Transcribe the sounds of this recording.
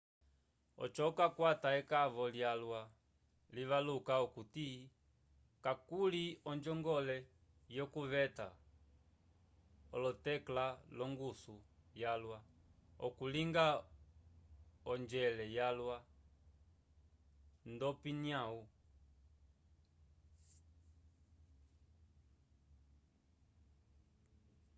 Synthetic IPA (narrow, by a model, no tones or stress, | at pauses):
ɔ̰t͡ʃɔukakwataɛkavɔljalwa | liβalukaɔkuti | kakuliɔnd͡ʒɔŋɡɔlɛ | jɔkuvɛta̰ | ɔ̰lɔtɛklalɔŋɡusujalwaɔ̰kuliŋɡa | ɔnd͡ʒɛlɛjalwa | ndɔpiniau